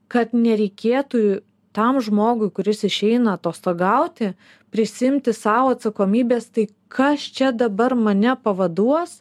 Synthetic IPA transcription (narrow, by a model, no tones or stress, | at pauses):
kɐt̪nʲɛɾʲɛɪkʲeːt̪uː | t̪ɐmʒmoːɡʊɪkʊɾʲɪsɪʃʲɛɪnɐːt̪oːst̪oːɡɐʊt̪ʲɪ | pʲɾʲɪsʲɪɪmʲt̪ʲɪsɑːʋoːɐt̪sɐkoːmʲiːbʲeːst̪ɐɪ | kʰɐst͡ʃʲɛd̪ɐbɐrmɐnʲɛpɐʋɐd̪uɔs